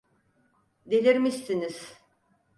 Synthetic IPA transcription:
d̪elʲiɾmist̪iniz̥

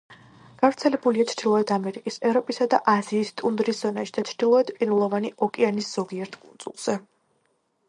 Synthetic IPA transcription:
ɡ̥avɾt̪sʰɛlɛbuliat͡ʃʰɾd̪ilˠɔɛd̪ʰamɛɾikʼisɛvɾɔpʼisad̪aʔaziːst̪ʼund̪ɾisz̥ɔnaʃid̪at͡ʃʰɾd̪̥ilˠɔɛd̪pʼinulˠɔvaniɔkʼɛanisz̥ɔɡiɛɾt̪ʰkʼunsʼṵlˠz̥ɛ

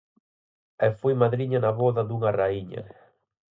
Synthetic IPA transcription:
ɛfojmaðɾiɲanaβɔðaðuŋaraiɲɐ̰

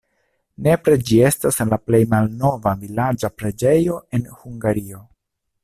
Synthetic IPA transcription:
ne̞pɾe̞d͡ʒie̞staslaple̞jmalno̞vavilad͡ʒapɾe̞d͡ʒe̞jo̞e̞nhuŋɡaɾio̞

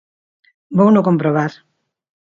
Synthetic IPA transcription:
bownokompɾoβaɾ

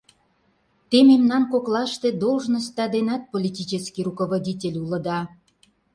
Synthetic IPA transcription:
t̪ememnɑnkoklɑʃt̪e̽d̪olʒnə̆st̪ɑd̪enɑt̪̚polʲitʲit͡ɕəskirukoβodʲitʲelʲulə̆d̪ɑ

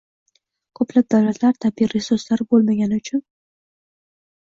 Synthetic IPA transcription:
kʰɵplab̚d̪awlat̪laɾt̪ʰabiɾesʊslaɾbolˠmaɡʲanɪʊt͡ʃʰʊn

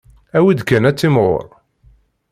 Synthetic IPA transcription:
æwid̪kːænæt͡sːɪmʁʊ̰ɾˤ

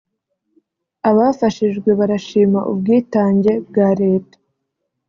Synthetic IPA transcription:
aβaːfaʃiʒɡwe̞βaɾaʃiːmaʔub̚ɡiːtaːɲɟe̞bɡaːɾe̞ːtḁ

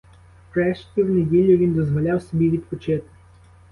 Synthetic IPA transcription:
pɾɛʃkʲiwnedʲilʲːʊʋʲind̪ɔzʋɔlʲawsɔbʲiʋʲid̪pɔt͡ʃɪt̪ɪ̥

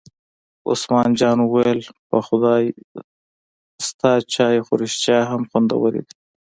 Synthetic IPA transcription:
ʊ̰smɑːnd͡ʒɑːnuwajelpaxʊd̪ɑː | st̪ɑːt͡ʃɑːjexʊɾɪʃt͡ʃɑɦamxʊnd̪a̰wəlḭd̪i̥

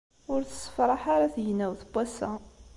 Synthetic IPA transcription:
ʊɾθə̥sə̥fɾˤɑħaɾaθjnæwθb̥ːæsæ

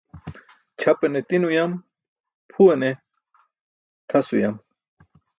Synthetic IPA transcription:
t͡ɕʰɐpɐnet̪inujam | pʰuɐne | t̪ʰɐsujam

